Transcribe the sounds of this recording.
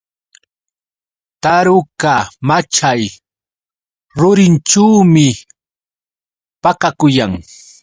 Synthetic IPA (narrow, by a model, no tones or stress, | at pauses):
t̪aɾʊkamat͡ʃaj | ɾʊɾɪnʈ͡ʂaːmɪ | pakakʊjaŋ